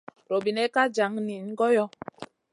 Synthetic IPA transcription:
ɾo˨bi˨nɛ˦ka˦d͡ʒa˨˦ŋni˨n˦ɡɔ˦jɔ˦

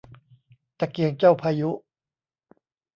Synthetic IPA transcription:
t̪a˨˩ki˨˩əŋt͡ɕa˥˩wpʰaː˧ju˦˥

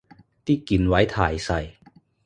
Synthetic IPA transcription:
t̪ʰiː˥˩ki˨˩nwa˦˥jt̪ʰaː˨˩jsa˨˧˩j

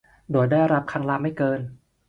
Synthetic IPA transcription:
doː˨˩əjdaː˥˩jɾa˦˥p̚kʰaː˧ŋlaː˧mːa˥˩jkɤː˧n

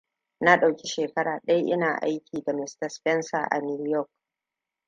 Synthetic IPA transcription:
na˦ɗa˨wkʲi˦ʃeː˨kɐ˦ɽaː˨ɗa˦jʔɪ̰˦naː˨ʔa˦jkʲiː˨da˨mɪ˦stɐ˨spɛ˦nsa˨ʔa̰˨nuː˦jɔ˦˨k̚

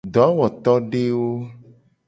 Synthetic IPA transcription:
ɖ̪ɔ˨˦wɔ˨t̪ɔ˦ɖe˦wo˦

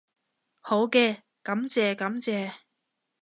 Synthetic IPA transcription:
ho˨˥wkɛː˧ | kɐ˨˥mt͡sɛː˨˧kɐ˨˥mt͡sɛː˧

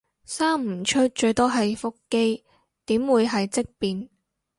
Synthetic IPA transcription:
saː˥ŋm̩˨˩t͡ʃʰɵ˥t̚t͡ʃɵ˧ɥt̪ɔː˥ɦɐ˨jfʊ˥kːe˥j | t̪iː˨˥mwuː˨˧jɦɐ˨jt͡sɪ˥k̚piː˨n

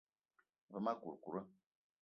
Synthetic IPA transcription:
və˨ma˦ku˨ɾku˨ɾə˦

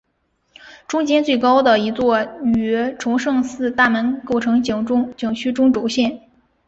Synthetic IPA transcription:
ʈ͡ʂʊ˥ŋt͡ɕjɛ˥nt͡swe˥˩ɪkɑ˥ʊd̪ə˨i˧˥t͡swɔ˥˩y˧˩˥ʈ͡ʂʰʊ˧˥ŋʂɤ˥˧ŋsɹ̩˥˧t̪a˥˩mə˧˥nko˥˩ʊʈ͡ʂʰɤ˧˥ŋ˧˩˥ŋt͡ɕɤ˨˩ŋt͡ɕʰy˥ʈ͡ʂʊ˥ŋʈ͡ʂo˧˥ʊɕjɛ˥˩n

